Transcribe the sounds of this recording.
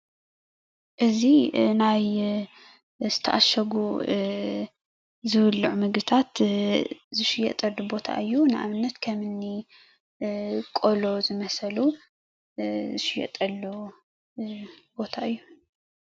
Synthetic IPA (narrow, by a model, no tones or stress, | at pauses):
ʔɨzinaj | zɨt̪ʰɐʔaʃɐɡu | zɨβɨlːʕumɨɡɨt̪ʰat̪ | zɨʃɪjːɛ̰ʔt̪ʼɐd̪ubo̞t̪ʰa̰ʔɨjːunɨʔa̰βɨnːɐt̪kʰɐmɨnːi | kʼolo̞zɨmɐsɐlu | ɨʃɪjɛ̰t̪ʼɐlːu | b̥o̞t̪ʰaʔɨjːu